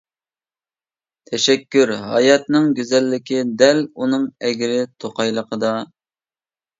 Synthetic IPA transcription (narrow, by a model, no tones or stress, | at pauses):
t̪ʰɛʃɛkʲːyɾɦɑ̰jɑt̪̚nɨŋɡʲyzɛlːɪkʲid̪ɛlunɨŋɛɡʲɾɪt̪ʰoqɑjlˠəqʰəd̪ɑ